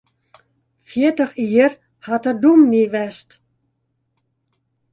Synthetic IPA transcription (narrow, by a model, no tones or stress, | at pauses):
fjɪətəxiər | hatədumniʋɛst